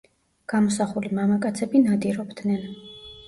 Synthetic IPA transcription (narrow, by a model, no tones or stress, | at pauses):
ɡ̥amɔsaχulimamakʼat̪sʰɛbinad̪iɾɔbd̪nɛn